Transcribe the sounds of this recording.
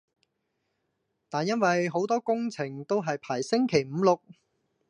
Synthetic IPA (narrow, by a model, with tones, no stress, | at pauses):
t̪aː˨njɐ˥nwɐ˨jɦo˨˥wt̪ɔː˥kʊ˥ŋt͡sʰɪ˨˩ŋt̪o˥wɦɐ˨jpʰaː˨˩jsɪ˥ŋkʰe˨˩jm̩˨˧˦lʊ˨k̚